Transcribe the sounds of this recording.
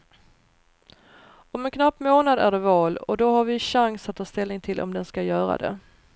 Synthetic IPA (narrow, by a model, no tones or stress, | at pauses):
ɔmɛnkʰnapːmoːnad̪æ̰ɖɛvɑːlɔd̪ɔɦaɾvɪɕaŋsat̪t̪ʰːɑːst̪ɛlnɪŋt̪ʰɪlʔɔ̰md̪ɛnskajœːɾa̰d̪ɛ̰